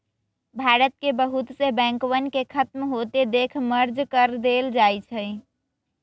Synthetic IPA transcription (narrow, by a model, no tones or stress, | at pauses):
bʱaɾət̪̚kebəɦut̪sebɛ̃ŋkwənkekʰət̪mɦot̪ed̪ekʰməɾd͡ʒkəɾd̪eld͡ʒajt͡ʃʰəj